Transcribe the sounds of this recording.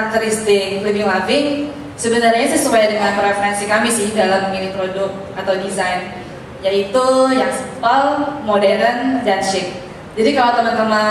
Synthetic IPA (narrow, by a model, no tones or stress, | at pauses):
ak̚t̪əɾist̪ɪklibɪŋlavɪŋ | səbənarɲasasupajadəŋanpɾɛfɾansikamɪsɪdalamːəminipɾodʊk̚t̪̚at̪awdizajn | jait̪ujaŋsə̥palmodɛɾəndanʃɪk̚ | d͡ʒadikalawt̪əmant̪əma